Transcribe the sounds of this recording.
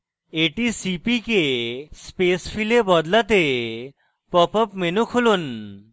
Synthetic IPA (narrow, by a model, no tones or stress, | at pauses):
eʈisipikespespʰilebɔd̪lat̪e | pɔpɔpmenukʰolon